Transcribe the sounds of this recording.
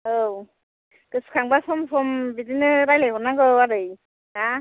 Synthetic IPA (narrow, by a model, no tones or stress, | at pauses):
ow | tɯskʰaŋbasɔmsɔmbidinɯɾajlajɡɔnːaŋɡɯaɾɯj | a